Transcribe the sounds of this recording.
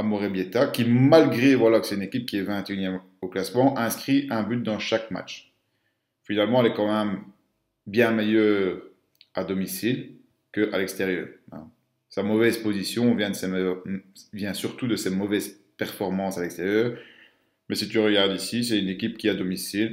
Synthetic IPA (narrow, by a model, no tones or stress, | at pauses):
amɔʁebjet̪akʲimalɡʁevwalakə̥sɛt̪ynekʲip̚kʲiɛvɛ̃t̪eynjɛm | oklasmɑ̃ʔɛ̃skχiʔɛ̃byt̪̚d̪ɑ̃ʃakma̰t͡ʃ | finalmɑ̃ɛlɛkɑ̃mɛm | bjɛ̃mejœʁ | ad̪ɔmisil | kəʔalɛkst̪eʁjœ̰ːʁɛ̰̃ | samɔvɛzpozisjɔ̃vjɛ̃d̪əsemjʁvjɛ̃syʁt̪ud̪əsemɔvɛz | pɛʁfɔʁmɑ̃salɛkst̪eʁjœːʁ | mɛsit̪yʁəɡaʁd̪isis̬ɛynekʲip̚kʲiad̪ɔmisil